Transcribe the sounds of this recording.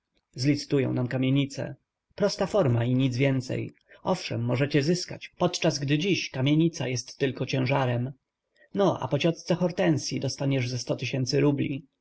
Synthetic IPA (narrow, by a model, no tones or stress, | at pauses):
zlʲit̪sɘ̥t̪ujɔ̰̃w̃namkamʲjeɲit̪sɛ̰ | pɾɔst̪afɔɾmaiɲid̪zvʲjɛnt̪sɛ̰j | ɔfʂɛ̰mːɔʐɛt͡ɕɛzɘska̰t͡ɕpɔt̪t͡ʂazɡd̪ɘd͡ʑiɕkamʲjeɲit̪sa̰jɛst̪ːɘlkɔt͡ɕɛ̃ʐaɾɛm | nɔʔa̰pɔt͡ɕɔt̪st̪sɛxɔɾt̪ɛnsʲjid̪ɔst̪aɲɛʐzɛst̪ɔt̪ɘɕɛnt̪sɘɾublʲḭ